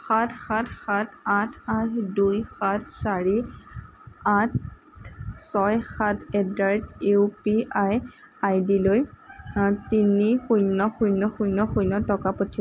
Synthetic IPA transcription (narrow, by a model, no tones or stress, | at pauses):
xatʰxatʰxatʰatʰatʰdujxat̚ʰsaɹi | atʰ | sɔjxatʰɛdɹaɹteupiaj | ajdiloj | tinixujnɔxujnɔxujnɔxujnɔtɔkapɔtʰi